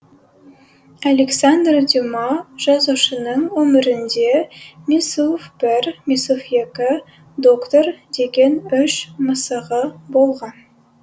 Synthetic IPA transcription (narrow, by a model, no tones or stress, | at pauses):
ɐlʲeksand̪rd̪ʲimɑʒ̥ɑzuʃə̆nəɴwɵ̆mɪɾɪ̆nd̪emʲisufb̥ɘɾmʲisufjekɪ | d̪okt̪ord̪eɡʲenɵʃməsəʁəbolˠʁɑn